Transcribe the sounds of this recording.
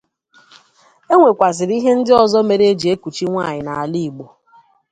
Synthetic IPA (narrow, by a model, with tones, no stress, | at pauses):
e˦ŋʷe˨kʷa˨zɪ˨ɾi˦ɦe˦n̩˦dɪ˦ɔ˨zɔ˦me˨ɾe˦e˦d͡ʒi˨e˦ku˨t͡ʃi˦ŋʷaː˦˨ɲɪ˨na˨a˨li˦˨ɡ͡bo˨